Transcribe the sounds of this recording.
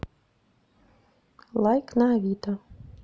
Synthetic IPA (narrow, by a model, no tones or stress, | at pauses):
lˠajknaʋʲit̪ɐ